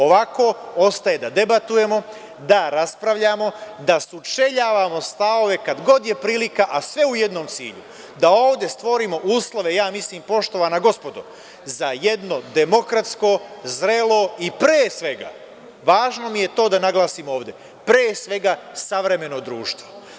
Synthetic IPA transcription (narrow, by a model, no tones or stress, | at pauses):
o̞ʋako̞o̞st̪aje̞d̪ad̪e̞bat̪uje̞mo̞ | d̪aɾaspɾaʋʎaːmo̞d̪asut͡ʃe̞ʎaːʋamo̞st̪ao̞ʋe̞kad̪ɡo̞d̪je̞pɾiːlikaʔasʋe̞uje̞d̪no̞ːmt̪sḭːʎu | d̪ao̞ːʋd̪e̞st̪ʋo̞ɾiːmo̞ʔuːslˠoʋe̞jaːmisliːmpo̞ʃt̪o̞ʋaːnaɡo̞spo̞d̪o̰ | zajed̪no̞d̪e̞mo̞kɾat̪sko̞zɾe̞lo̞ipɾeːsʋe̞ɡa̰ | ʋaːʒno̞mije̞t̪o̞ːd̪anaɡlˠaːsimo̞ːʋd̪e̞ | pɾeːsʋe̞ɡasaʋɾe̞me̞no̞d̪ɾuːʃt̪ʋo